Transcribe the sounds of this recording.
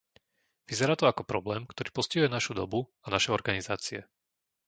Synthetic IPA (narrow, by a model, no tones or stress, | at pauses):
ʋizɛɾaːt̪ɔakɔpɾɔblɛːmkt̪ɔɾiːpɔsciɦujɛnaʃud̪ɔbuanaʃɛɔɾɡanizaːt͡siɛ